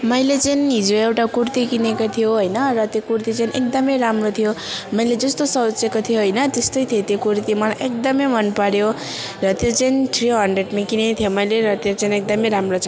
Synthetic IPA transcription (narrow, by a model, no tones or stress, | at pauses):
mʌjlet͡sʌnɦid͡zoewʈakurt̪ikinekot̪ʰijoɦojnʌrʌt̪jokurt̪it͡sainʔek̚d̪ʌmʌjɾamrot̪ʰijomʌjled͡zʌst̪osʌt͡sekot̪ʰijoɦʌjnʌt̪est̪ʌjt̪ʰijet̪jokuɾt̪imʌlajʔek̚d̪ʌmʌjmʌnpaɽjo | rʌt̪jot͡sʌint̪ʰriɦʌɳɖreɖmẽkinet̪ʰijomʌjleɾʌt̪et͡sainek̚d̪ʌmʌjɾamrot͡s